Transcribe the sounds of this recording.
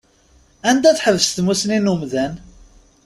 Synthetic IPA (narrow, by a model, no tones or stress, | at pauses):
ænd̪æθħəvəst̪musninumðæn